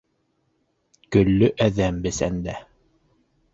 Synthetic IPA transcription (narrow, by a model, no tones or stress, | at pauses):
kɵ̆lːɵʔæðæmbɘsænd̪æ